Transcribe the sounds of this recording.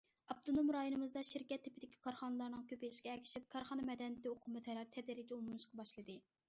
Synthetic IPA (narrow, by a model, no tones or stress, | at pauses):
ɑb̚t̪ʰonomɾɑjonɨmɨzd̪ɑʃiɾkʲɛt̪ʰːɪpɪd̪ɪkʲʰi̥kʰɑɾχɑnɨlˠɑɾnɨŋkʲʰøpilɪʃkʲɛːkʲʰi̥ʃip̚kʰɑɾχɑnɨmɛd̪ɛnɪt̪ɪoqʰʊmɨt̪ʰɛɾɑɾt̪ʰɛd̪ɪɾɪd͡ʒiomumɨʃqʰɑbɑʃlˠɨd̪ɨ